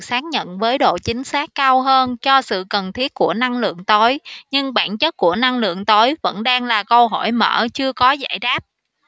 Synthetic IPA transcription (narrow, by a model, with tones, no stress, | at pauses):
saː˨˦˥k̚ɲə̰˧˨nvəː˨˦jɗo̰˧˨t͡ɕï˨˦ŋ̟saː˦˥kːaː˧wɦəː˧nt͡ɕɔ˧sɨ̰˧˨kə˨˩nt̪ʰi˦˥ət̚ku˧˩əna˧ŋlɨ̰˧˨əŋt̪o˨˦jɲɨ˧ŋɓa̰ː˧˩nt͡ɕə˦˥t̚ku˧˩əna˧ŋlɨ̰˧˨əŋt̪o˨˦jvə̰˧˥nɗaː˧ŋlaː˨˩kə˧wɦɔ˧˩jmə̰ː˧˩t͡ɕɨ˧əkɔ˨˦za̰ː˧˩jɗaː˦˥p̚